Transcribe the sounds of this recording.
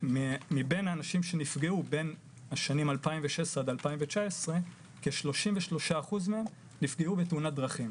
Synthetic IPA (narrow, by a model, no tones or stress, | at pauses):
mmibenaːnaʃimʃe̞nifɡeube̞n | aʃanimalpaimveʃesʁead̪alpaimvet͡ʃaesʁe̞ | keʃlo̞ʃimveʃlo̞ʃaːχuzmeem | nifɡeube̞t̪eunad̪ʁaχim